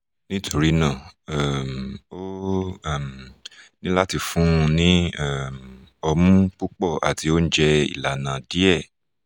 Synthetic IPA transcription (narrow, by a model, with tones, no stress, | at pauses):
nĩ˦tʰo˨ɾi˨˦nã˦˨a˦˨mo˦˨ | mnĩ˦la˦ti˧fũ˦˧nĩ˦a˦˨mɔ˧mũ˦k͡pu˦k͡pɔ˦˨ʔa̰˨ti˨˦o˦n̩˦d͡ʒɛ˧ḭ˨la˨nã˨di˨˦ɛ˦˨